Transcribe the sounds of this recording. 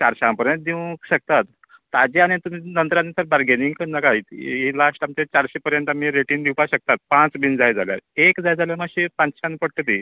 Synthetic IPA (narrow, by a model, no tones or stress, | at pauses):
t͡ɕaɾɕãmpəɾjə̃nt̪̚d̪iʋɕək̚t̪at̪ː | ad͡ʑeaɽ̃it̪um̤inənt̪ɾanːesəɾbaɾɡeniŋɡkənːakait̪ilaʂʈʈamt͡ɕet͡ɕaɾɕepəɾjəɳt̪am̤iɾeʈiːnd̪iwpaɕək̚t̪at̪̚pãt͡sbind͡zajd͡za̰lja̰ɾekd͡zajd͡zaljamaɕipãt͡sɕãnpəɽʈət̪i